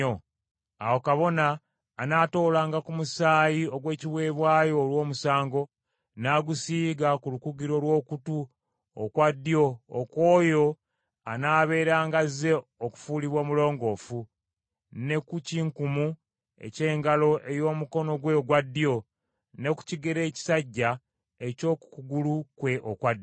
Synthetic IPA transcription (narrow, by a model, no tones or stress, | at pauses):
o | a̰wokaβo̞naː | naːto̞ːlaːŋɡakumusaːjio̞ɡwe̞ːciβwe̞ːβwaːjo̞ːlwo̞ːmusaːŋɡo̞ | naːɡusiːɡakulukuɡiɾo̞lwo̞ːkutu | o̰kwadːio̞̰ːkwo̞ːjo̞ | anaːβe̞ːɾaːŋɡaze̞oku̥fuːliβwoːmulo̞ːŋɡo̞ːfu | ne̞kuciŋkumu | ḛce̞ːŋɡalo̞ʔejo̞ːmuko̞no̞ɡwe̞ɡwadːijo̞ | ne̞ku̥ciɡe̞ɾe̞ːci̥saɟːa | e̞co̞ku̥kuɡulukwe̞ʔokwad